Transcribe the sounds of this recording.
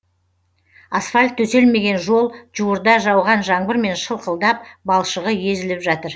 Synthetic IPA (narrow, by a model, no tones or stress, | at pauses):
asfalʲt̪ʰːɵse̞lme̞ɡʲe̞nʒo̞lˠʒuwəɾd̪ɑʒɑwʁɑnʒɑɴbəɾme̞nʃəlˠqəlˠd̪ɑp̚bɑlˠʃəʁəje̞zɪlɪpʒɑt̪əɾ